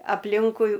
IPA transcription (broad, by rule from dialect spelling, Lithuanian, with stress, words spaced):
ɐpʲˈlʲɪŋkʊɪ